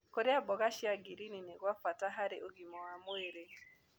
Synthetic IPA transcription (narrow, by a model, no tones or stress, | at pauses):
koɾeabɔɣaʃiaɡiɾinineɣwafataɦaɾɪʔoɡimɔamweɾe